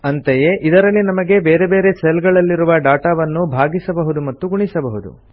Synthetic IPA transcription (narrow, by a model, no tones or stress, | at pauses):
ɐnt̪eje̞ʔid̪ɐɾɐlːinɐmɐɡe̞beːɾe̞be̞ːɾe̞selɡɐɭɐlːiɾuʋɐɖaːʈaːʋɐnːubʱaːɡisɐbɐɦud̪umɐt̪ːuɡuɳisɐbɐɦud̪ṵ